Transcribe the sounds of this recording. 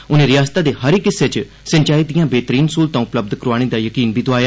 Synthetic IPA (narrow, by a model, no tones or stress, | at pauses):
ʊnẽːɾɪjaːst̪aːd̪eːɦəɾɪkɪsːeːt͡ʃ | sə̃ɲt͡ʃaːiːd̪ijãːbeːt̪əɾiːnsuːlt̪ãːʊpləb̚d̪kəɾoaːɽ̃ẽːd̪aːjəkiːnbʱiːd̪oaːjaː